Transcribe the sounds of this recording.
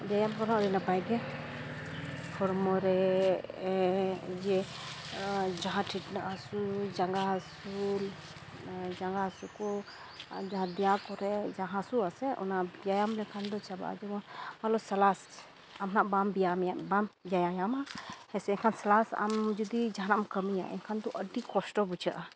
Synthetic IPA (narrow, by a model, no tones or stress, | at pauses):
d͡ʒajamkɔnaɔɾinapajɡɛ | pʰɔɾmɔɾɛ | d͡ʒɛ | d͡ʒaɦãʈʰiʈnaʔasud͡ʒaŋɡasul | d͡ʒaŋɡasukɔ | d͡ʒaɦãd̪ɛjakɔɾɛd͡ʒaɦãsuasɛʔɔ̰naʔbbijajamlɛkʰand̪ɔt͡ʃaba̰ʔd͡ʒɛɡɔnmalɔsɛlas | amnaʔbambijamɛjaʔbamd͡ʒajajamahɛsɛɛkʰansɛlasa̰md͡ʒud̪id͡ʒanaʔmkəmija̰ʔɛ̰kʰand̪ɔʔəd̪ikɔsʈɔbut͡ʃʰaʔa